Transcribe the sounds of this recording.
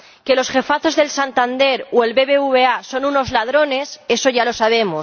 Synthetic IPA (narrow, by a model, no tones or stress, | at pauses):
ke̞lo̞sxe̞faθo̞zðe̞lsant̪and̪e̞ɾoe̞lβe̞βeuβe̞aso̞nuno̞zlað̞ɾo̞ne̞se̞so̞ʝalo̞saβ̞e̞mo